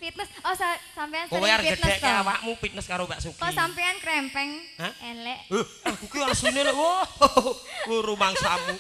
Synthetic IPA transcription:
fit̪̚nəsɔsasampɛankoweaɾd͡ʒəd̪nə̥ɛʔkaawaʔmupit̪̚nəskaɾobaʔsukɔisampɛankɾɛmpɛŋ | aɛlɛʔə | akukiaɾsunolewo | woɾumaŋsamu

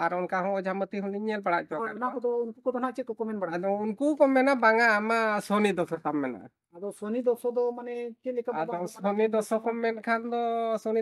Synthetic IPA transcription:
aɾɔnkaɦɔ̃ɔd͡ʒʱamət̪iɦuniɲɛlbaɽaʔ̚t͡ʃɔɔnakɔd̪ɔunkukɔd̪ɔnaʔt͡ʃʰɛkɔkɔmɛnbaɽaad̪ɔunkukɔmɛnabaŋaːmasɔnid̪ɔsɔt̪amːɛna̰ | ad̪ɔsɔnid̪ɔsɔd̪ɔmanɛkɛlɛkaad̪ɔsɔnid̪ɔsɔkɔmɛnkʰand̪ɔsɔni

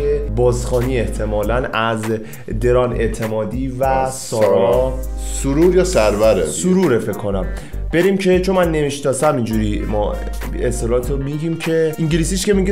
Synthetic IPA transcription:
ebɒːzxɒːniːe̞ht̪ʰe̞mɒːlænæz | d̪e̞ɾɒːne̞̰t̪ʰe̞mɒːd̪iːvæsɒːɾɒsuɾuːɾjɒːsæɾvæɾesuɾuːɾefe̞kʰːo̞næm | b̥e̞ɾiːmcʰe̞t͡ʃʰo̞nmænːe̞miʃnɒːsæmind͡ʒuɾimɒ̰ː | est̪ʰːelɒːt̪ʰomiɟiːmcʰe̞ʔiŋɟiliːsiʃce̞miɟe

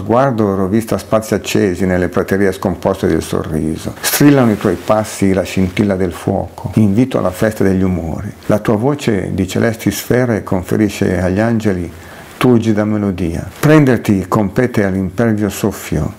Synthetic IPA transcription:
zɡward̪oɾovist̪aspat̪sːiat͡ʃːeːzinelːepɾot̪eɾiːeskompɔst̪ed̪ḛlso̰rːiːzo̰st̪ɾilːanoit̪wɔjpasːilaʃint̪ilːad̪elfwɔ̰ːkʰoiɱviːt̪oa̰lːafɛst̪ad̪eʎːumo̰ːɾilat̪uːavoːt͡ʃḛd̪it͡ʃḛlʔɛst̪isfɛːɾaekʰoɱfḛɾiːʃḛaʎːand͡ʒeli | t̪urd͡ʒid̪amelod̪iːa̰pɾɛnd̪ert̪ikompɛːt̪ealːimpɛrvjosofːjo̰

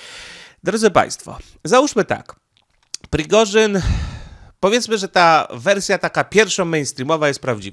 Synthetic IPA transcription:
d̪ɾɔd̪zɘpã̰j̃st̪fɔ̰ | zauʂmɘt̪a̰k | pɾʲiɡɔʐɘn | pɔvjɛt̪smɘʐɛt̪avɛɾsʲjat̪akapʲjɛɾfʂɔ̃w̃mɛjnst̪ɾʲimɔvajɛst̪pɾavd͡ʑiva

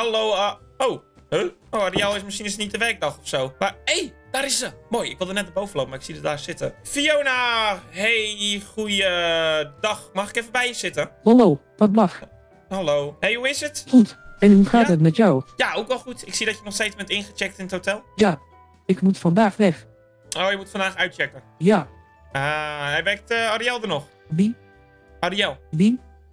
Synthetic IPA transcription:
halowowhøowarialˠɪsməsinɪsətnit̚dəʋɛrk̚dɑxɔfsoːmaej | d̥aːɾɪsəmojɪkʋɪlˠdənɛt̚nəbowvənlowpmaɪksidɔdaːsɪtə̰fiownahexujədɔxmɔxɪkefəbɛjəsɪtəhaloːʋɔt̚blax | halowhejhuɪsətkutɛnhuxaːtətmɛtjawjaowkʋɛlˠxutɪksiədɔtjənɔxsteːt͡sbɛntɪnxət͡ʃɛk̚tɪnəthotɛlˠja | ɪkmutfɔndaːxʋɛx | oːjəmutfɔndaːxœɥtt͡ʃɛkə | ja | ahɛjbɛktəaɾiɛlˠdənɔx | bin | ariɛlˠbin

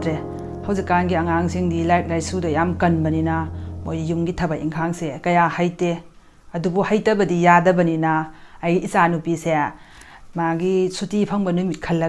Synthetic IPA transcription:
tɾe | hɐwzikːanɡiɐŋaŋsiŋdilajt̚laj̚sudɐjamkɐnbɐninɐmojjumɡitʰɐbɐiŋkʰaŋsekɐjahajte | ɐdubuhajtɐbɐdijadɐbɐninɐːjɡiisanupise | maɡisutipʰɐŋbɐnumit̚kʰɐlːɐ

